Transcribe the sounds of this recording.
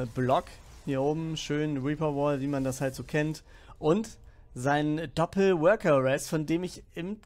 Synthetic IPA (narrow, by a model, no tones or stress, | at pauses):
blɔk | hiːɐʔoːbm̩ʃøːnʁiːpɐvɔːlviːmandashaltz̥oːkʰɛnt | ʔʊnt | zaɪnənd̥ɔpl̩wœɐkɐʁɛstfɔndeːmɪçɪm